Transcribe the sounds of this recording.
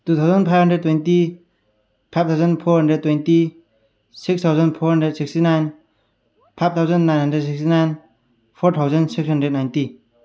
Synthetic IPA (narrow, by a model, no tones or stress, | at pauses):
d̥ut̪ʰawzʌnpʰajbɦəndɾed̚tːwejnti | pʰajb̚t̪ʰawzʌnpʰɔɾɦʌndɾed̚tːwejnti | sikst̪ʰawzʌnpʰɔɾɦandedsikstinajn | pʰajp̚t̪ʰawzʌnːajnɦandɾeds̬ikstinajn | pʰoɾt̪ʰawzʌnsiksɦəndɾed̚najnti